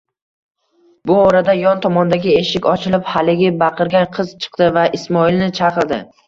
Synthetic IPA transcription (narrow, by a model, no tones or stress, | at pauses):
bʊɒɾad̪ajɒnt̪ʰɒmɒnd̪aɡʲɪe̞ʃɪkʲɒt͡ʃʰɪlɪphalɪɡʲɪbɑqʰɨɾɡʲanqʰɨz̥t͡ʃʰɨ̥qt̪ɪvaʔɪsmɒɪlnɪt͡ʃʰɑqɨɾd̪ɪ